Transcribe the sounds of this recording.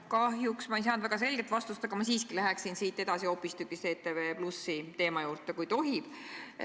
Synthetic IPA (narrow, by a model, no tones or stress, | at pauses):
kɑhjuksmɑejs̬ɑnd̪væɡ̥ɑs̬e̞lʲɡ̥et̪ːˑvɑst̪ust̪ɑɡ̥ɑmɑsiːskilæɦeksinsiːt̪ːˑe̞d̪ɑsio̞pːˑist̪ykːˑist̪e̞ːt̪ːeveːplusːit̪e̞ːmɑjuːrt̪ˑekujt̪o̞ɦib̥